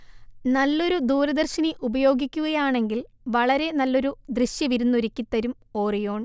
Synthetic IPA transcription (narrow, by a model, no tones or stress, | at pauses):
nɐlːo̞ɾud̪uːɾɐd̪ɐrɕɐniʔubɐjo̞ːɡikʲːuɣɐjaːɳe̞ŋɡil | ʋɐɭɐɾe̞nɐlːo̞ɾud̪rɨɕjɐʋiɾunːoɾikʲːit̪ːɐɾum | o̞ːrijo̞ːɳ